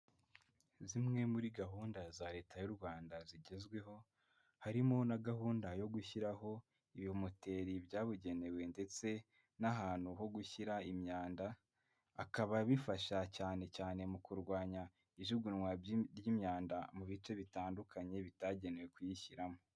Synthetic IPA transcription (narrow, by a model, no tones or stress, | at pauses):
zimŋe̞muɾiɡaɦuːndazaɾe̞ːtajuɾɡwaːndaziɟe̞zɡwe̞ɦo̞ | haɾimonaɡaɦuːndajo̞ɡuçiɾaɦo̞ | iβihomote̞ːɾibjaːβuɟe̞ne̞we̞nde̞t͡se̞ | naɦaːn̥huɦo̞ɡuçiɾaimɲaːndaː | kaβaβifaʃacaːne̞caːne̞mukuɾɡwaːɲa | iʒuɡunŋwaɾjimɲaːndamuβit͡ʃe̞βitaːndukʰaɲe̞βitaɟe̞ne̞we̞kujiçiɾamo